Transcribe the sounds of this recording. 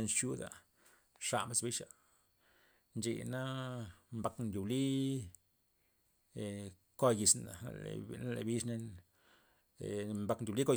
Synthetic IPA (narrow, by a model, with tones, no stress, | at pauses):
e˧nt͡ʃu˦d̪a̰˨ | ʂa̰˧mba˧sbi˦ʃa˨ | nd͡ʒḭ˧˨na˦mba˧knd̪ʲu˨bli˦˨ | ko˧ji˨sna̰˨na˦lḛ˨bi˦ʂne˧n˨ | mba˧knd̪ʲu˨li˦ko˧